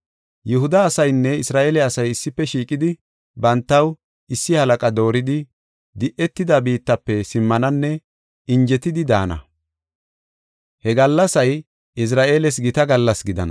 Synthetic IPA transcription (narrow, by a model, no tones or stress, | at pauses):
jʊɦʊd̪ɐːsɐjnːɛɪsɾaːʔeːlɛɐsɐjɪsːɪpːɛʃiːkʼɪd̪ɪ | bɐnt̪ːɐw | ɪsːɪhɐlɐkʼɐd̪o̞ːɾɪd̪ɪ | d̪ɪʔɛt̪ːɪd̪ɐbiːt̪ːɐpːɛsɪmːɐnɐnːɛ | ɪnd͡ʒɛt̪ɪd̪ɪd̪a̰ːnɐ̰ | hɛɡɐlːɐsɐj | ɪs̬ɾaːʔe̞ːlɛs̬ɡɪt̪ɐɡɐlːɐsɡɪd̪ɐ̰nɐ̰